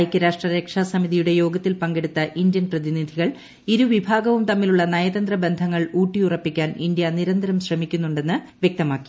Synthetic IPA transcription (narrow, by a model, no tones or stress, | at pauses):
jɐkʲːɨɾaːʂʈrɐɾeːkʂaːsɐmiðijuɽe̞jo̞ːɡɐt̪ːilpɐŋɡeɽut̪ːɐʔind̪jɐnprɐðinid̪ʱiɣɐɭ | iɾuʋibʱaːɡɐʋumt̪ɐmːiluɭːɐnɐjɐðɐnd̪rɐbe̞nd̪ʱɐŋːɐɭuːʈːijurɐpːikʲːaːnind̪jɐniɾɐnd̪ʱɐɾɐmɕrɐmikʲːunːuɳɖe̞nːɨ | ʋjek̚t̪ɐmaːkːi̥